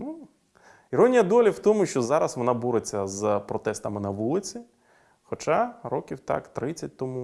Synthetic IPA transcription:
nu | iɾɔnʲijɐd̪ɔlʲiwt̪ɔmʊʃt͡ʃɔzɑɾɐsʋɔnabuɾet͡sʲːɐzpɾɔt̪ɛst̪ɐmɪnɐʋulˠɪt͡sʲi | xɔt͡ʃaɾɔkʲiwt̪ɑ̰kt̪ɾɪt͡sʲːɐt̚ʲt̪ɔmu

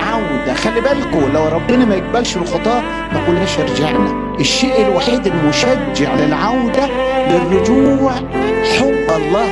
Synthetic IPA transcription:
ʕawd̪æxælːibæːlkoːlːæwɾˤɑbːɪnæmæjeɡ̚bælʃɪlxɑt̪ˤɑːʔ | mækulhæːʃeɾˤd͡ʒaʕnæ | ʔeʃːeːʔelwaħiːd̪elmʊʃæd͡ʒːeʕlɪlʕawd̪æbɪrːʊd͡ʒuːʕ | ħobːɑlˤːɑː

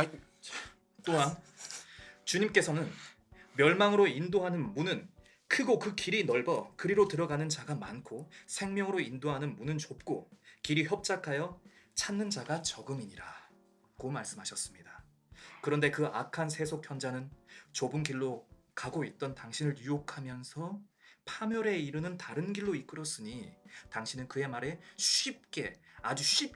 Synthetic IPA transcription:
t͈oɦan | t͡ɕuɲimk͈e̞sʰʌnɯn | mjʌɭmaŋɯɾoindoɦanɯnmunɯn | kʰɯɡokɯkiɾinʌɭbʌkɯɾiɾotɯɾʌɡanɯnt͡ɕaɡamankʰosʰe̞ŋmjʌŋɯɾoindoɦanɯnmunɯnt͡ɕop̚k͈okiɾiçjʌp̚t͡ɕ͈akʰajʌt͡ɕʰanːɯnd͡ʑaɡat͡ɕʌɡɯŋiɲiɾa | komaɭs͈ɯmɦaɕʰʌs͈ɯmɲida | kɯɾʌnde̞kɯa̰kʰansʰe̞sʰokʰjʌnd͡ʑanɯnt͡ɕobɯnɡiɭːo | kaɡoit̚t͈ʌntaŋɕʰinɯɭjujokʰamjʌnsʰʌ | pʰamjʌɾe̞iɾɯnɯntaɾɯnɡiɭːoik͈ɯɾʌs͈ɯɲitaŋɕʰinɯnkɯe̞maɾe̞ɕip̚k͈e̞ad͡ʑuɕʰip̚

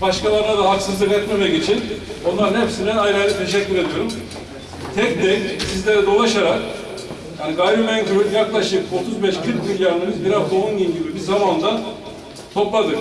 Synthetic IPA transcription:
baʃkalˠaɾnad̪aɦaksɯzlˠɯkɛt̪memɛɟe̞t͡ʃʰino̞nlˠaɾɯnhepsind̪ɛnajɾalʲɛt̪ʰeʃ̬ɛcʲːyɾe̞d̪ijo̞ɾum | t̪ʰɛc̚d̪ɛnsizlʲeɾɛd̪o̞lˠaʃaɾak | jaːniɡajbimɛncʰøɾynjaklˠaʃɯko̞t̪ʰuzbɛʃkʰɯɾkmilʲjaɾnɯmɯzbiɾazd̪ounɡinɟibibiɾzamand̪a | t̪ʰo̞plˠad̪ɯɾ

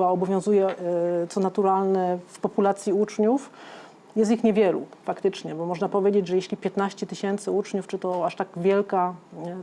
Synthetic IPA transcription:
aɔbɔvʲjɔ̃w̃zujɛt̪sɔnat̪uɾalnɛfpɔpulat̪sʲjiut͡ʂɲuf | jɛs̬t̪ixɲevʲjɛlṵfakt̪ɘt͡ʂɲɛbɔmɔʐnapɔvʲjed͡ʑed͡ʑʐɛjeɕlʲipʲjɛt̪naɕt͡ɕɛt̪ɘɕɛnt̪sɘut͡ʂɲuft͡ʂɘt̪ɔaʂt̪aɡvʲjɛlka

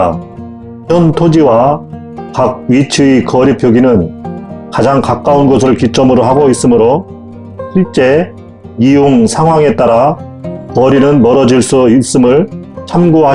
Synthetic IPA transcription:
jʌntʰod͡ʑiwa | kaɡ̚ɥit͡ɕʰɯikʌɾipʰjoɡinɯnkad͡ʑaŋkak͈aunɡos̬ʰɯɾɯɭkit͡ɕ͈ʌmɯɾoɦaɡois͈ɯmɯɾo | ɕʰiɭt͡ɕ͈e̞ | ijoŋsʰaŋɦwaŋe̞t͈aɾa | kʌɾinɯnmʌɾʌd͡ʑiɭs͈uis͈ɯmɯɭt͡ɕʰamɡoɦa

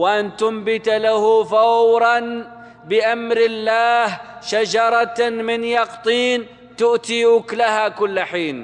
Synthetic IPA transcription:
wʔant̪ʊmbɪt̪alahʊfawɾˤɑn | bɪʔamɾɪlːaːhʃad͡ʒɑɾˤɑmɪnjɑqt̪ˤiːn | t̪ʊʔt̪iʊklahakʊlːħiːn

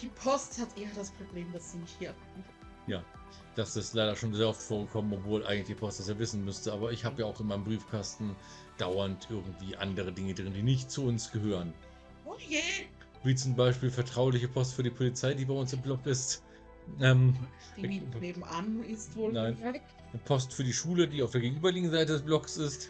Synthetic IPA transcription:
d̥iːpʰɔsthatʔeːɐdaspʁ̥obleːmdasd̥iːnɪçthiːɐ | jaː | d̥asɪstlaɪɾɐʃoːnzeːɐʔɔftfoːɐɡəkʰɔmənɔpv̥oːlʔa̰ɪɡŋtlɪ̥ipʰɔstd̥asaɐvɪsn̩mʏstəʔaːbɐɪçhaːbəjaːaʊxɪnmaɪnəmbʁiːfkʰastn̩ | d̥aʊɐntʔɪɐɡŋ̩tv̥iːʔa̰ndəʁ̞ədɪŋədʁɪndiːnɪçtt͡suʊnsɡ̥əɦøːʁən | oje | viːt͡sʊmbaɪʃpiːlfɛɐtʁ̥aʊlɪçəpʰɔstfyːɐdiːpʰolit͡saɪdiːbaɪʊnsɪmblɔkɪst | ʔɛm | neːbm̩ʔanɪstvonaɪn | əpʰɔstfyːɐɾiːʃuːlədiːaʊfdeːɐɡeɡŋ̩ʔyːbɐlɪçŋ̩zaɪtədɛsb̥lɔksɪst

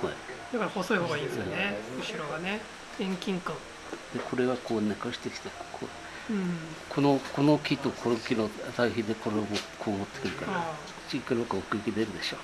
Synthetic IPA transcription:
haid̪akaɾahoso̞ihoːɡaiːnesneɯɕiɾo̞ɡane | ẽŋkʲĩŋkãŋ | d̪̥e̞kʰo̞ɾe̞βako̞ːnakaɕi̥t̪e̞kʲi̥t̪ekʰõ̰ː | kʰonokʰo̞nokʲit̪okʰonokʲinozaiçid̪ekʰoɾeomokʰoːmot̪ːe̥kɯ̟ɾɯ̟kaɾḁ | t͡ɕikɯɾokaokɯ̟ikʲid̪eɾɯd̪e̞ɕoː

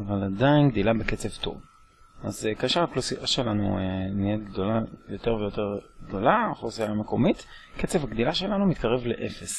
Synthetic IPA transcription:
avaladainɡd̪ilabeket͡se̞vt̪o̞̰v | azekeʃeʁaklosiʔaʃe̞lanṵeniet̚ɡd̪o̞lajo̞t̪eʁvejo̞t̪e̞ʁɡd̪o̞laχlosiameko̞mit̪ | ket͡sevhaɡd̪ilaʃe̞lanumit̪kaʁe̞vleʔefes

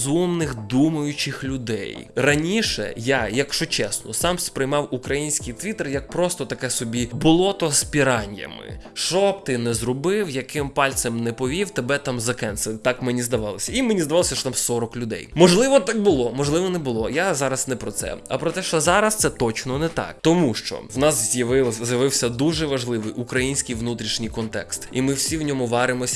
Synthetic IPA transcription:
zumnɪxd̪umɐjʊt͡ʃɪxlʲʊd̪ɛ̰jrɐnʲiʃɛ̰jajɐkʃɔt͡ʃɛsnɔsɑmspɾɪjmɑwukɾɐjinʲsʲkɪjt̪ʋʲit̪erjɐk̚pɾɔst̪ɔt̪ɐkɛsɔbʲibʊlˠɔt̪ɔspʲiɾɑnʲjɐ̰mɪ̰ | ʃɔt̪ɪnɛzɾɔbɪwjɐkɪmpɑlʲt̪semnɛpɔʋʲiwt̪ebɛt̪ɑmzɐkɛnset̪ɑkmenʲizd̪ɐʋɑlˠɔsʲɐimenʲizd̪ɐʋɑlˠsʲɐʃɔt̪amsɔɾɔklʲʊd̪ɛ̰jmɔʒlˠɪʋɔt̪ɑk̚bʊlˠɔmɔʒlˠɪʋɔnɛbʊlˠɔjazɑɾɐsnɛpɾɔt̪sɛ̰ɐ̰pɾɔt̪ɛʃt͡ʃɔzɑɾɐst̪sɛt̪ɔt͡ʃnɔnɛt̪ɑ̰k̚t̪ɔmuʃt͡ʃɔ̰wnɑszjɐʋɪzʲjɐʋɪwsʲɐd̪uʒɛʋɐʒlˠɪʋɪjʔukɾɐjinʲsʲkijʋnut̪ɾʲiʃnʲijkɔnt̪ɛ̰kst̪imɪwsʲiwnʲɔmʊʋɑɾɪmɔsʲ

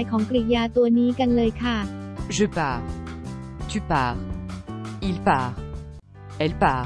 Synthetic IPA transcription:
jkʰɔːŋklijaːt̪uɐniːkanlɤːjkʰaʒəpaːʁ | t̪ypaːʁ | ilpaːʁ | ɛlpaː

